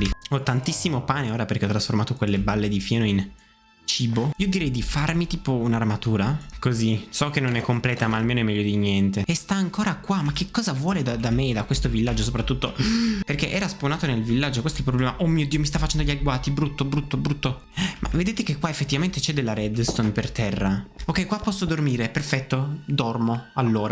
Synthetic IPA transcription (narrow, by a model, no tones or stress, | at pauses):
iɔt̪ːant̪isːimopaːneoːɾaperkeɔt̪ɾasformaːt̪okwelːebalːed̪ifjaːnoin | t͡ʃiːboiːod̪iɾɛjd̪ifarmit̪iːpounarmat̪uːɾakozisɔk̟enːonɛkːomplɛːt̪amaːlmeːnoɛmɛʎjːod̪iɲjɛnt̪eest̪aːŋkoːɾakwamak̟ːekːɔːzavwɔːled̪ad̪amed̪akwest̪ovilːad͡ʒːosopɾat̪ːut̪ːoperkeʔɛːɾasponaːt̪onelvilːad͡ʒːokwest̪oɛilp̬ɾoblɛːmaʔomːiːod̪iːomist̪afat͡ʃɛnd̪oʎiaɡwaːt̪ibɾut̪ːobɾut̪ːobɾut̪ːo | mʔa̰ved̪eːt̪ekekːwaefːet̪ːivament̪et͡ʃɛd̪elːaɾɛd̪st̪onpert̪ɛrːaokːɛjkwapːɔsːod̪ormiːɾeperfɛt̪ːod̪ɔrmoalːoːɾa